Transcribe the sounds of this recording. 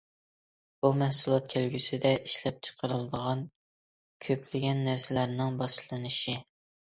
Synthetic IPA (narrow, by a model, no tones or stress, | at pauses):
b̥umæhsulˠɑt̪̚kʲʰelɡʲysɪd̪ɛʔiʃlɛp̚t͡ʃʰə̥qʰəɾɨlˠɨd̪əʁɑn | kʲʰøpʰlɪɡʲɛnːæɾsɪlæɾnɪŋbɑʃlˠɨnɨʃi